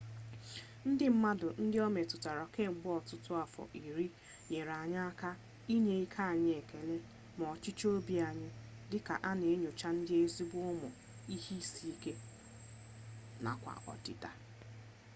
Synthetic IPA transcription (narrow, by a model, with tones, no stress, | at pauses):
n̩˦dɪ˦m̩˦ma˦dʊ˨n̩˦dɪ˦ɔ˦me˨tʊ˨ta˨ɾɔ˨ke˦˨ŋ͡m̩˨ɡ͡bʊ˦ɔ˨tʊ˦tʊ˦a˨fɔ̰˨ʔi˨ɾi˦ | ɲe˨ɾa˨ɲa˦a˦ka˦ | i˦ɲe˨i˦kʰa˦a˨ɲɪ˦e˨ke˨le˦ | mɔ˨t͡ʃɪ˦t͡ʃo˦bi˨a˨ɲɪ˦ | dɪ˦ka̰˨ʔa˦ne˨e˦ɲo˨t͡ʃa˦n̩˦dɪ˦e˦zi˦bʊ˦ʊ˦mʊ˨ | i˦hi˦si˦i˦ke˦ | na̰˨kʷa̰˨ʔɔ̰˨tɪ̰˦ta˦